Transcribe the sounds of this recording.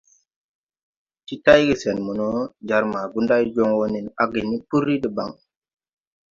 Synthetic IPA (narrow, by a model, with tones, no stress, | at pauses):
t͡ʃi˦ta˦jɡi˨se˨nmu˨no˦d͡ʒa˨ɾma˨ɡu˦nda˦jd͡ʒo˦ŋwo˦ni˨na˦ɡi˨ni˦pu˦ɾi˦ɗə˨ba˨ŋ